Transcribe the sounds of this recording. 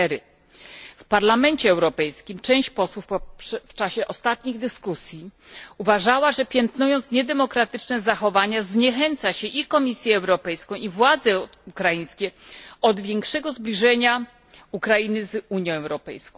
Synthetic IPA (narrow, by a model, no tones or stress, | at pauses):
ɾɘ̰ | fpaɾlamɛnt͡ɕɛːwɾɔpɛjskʲimt͡ʂɛ̃w̃ɕt͡ɕpɔswufppʂft͡ʂaɕɛʔɔst̪at̪̚ɲiɣd̪ɘskusʲjiuvaʐawaʐɛpʲjɛnt̪nujɔnt̪sɲɛd̪ɛmɔkɾat̪ɘt͡ʂnɛzaxɔvaɲazɲɛxɛnt̪saɕɛʔikɔmʲisʲjɛːwɾɔpɛjskɔ̃w̃ivwad̪zɛ | ukɾajĩj̃skʲɛɔd̪vʲjɛŋkʂɛɡɔzblʲiʐɛɲa | ukɾainɘzuɲjɔ̃w̃ɛwɾɔpɛ̰jskɔ̃w̃